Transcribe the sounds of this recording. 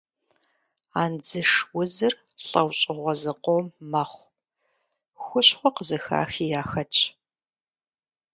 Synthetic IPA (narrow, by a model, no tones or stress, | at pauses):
aːnd͡zɨʂwʊzɨr | ɬʼɐwɕʼɪʁʷɔzɨqʷomːɐχʷ | xʷʊɕχʷɔqəzɨxa̰ːxiːjaːxɐtʼ